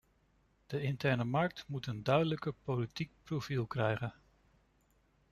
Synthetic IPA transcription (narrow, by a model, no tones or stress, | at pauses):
d̥əɪntɛɹnəmɑɹk̚tmutəndœɥdələkəpolitik̚profilˠkrɛjχən